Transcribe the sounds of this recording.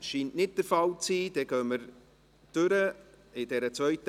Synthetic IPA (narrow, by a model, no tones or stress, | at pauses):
ʃiːntnɪt̚d̥əɾfɑlt͡siːd̥ɛɡ̥œːməɾ | d̥øɾə | ɪd̥ɛɾət͡svœɥtə